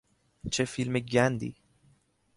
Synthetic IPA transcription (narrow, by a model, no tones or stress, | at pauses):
t͡ʃʰefilmeɟænd̪ḭ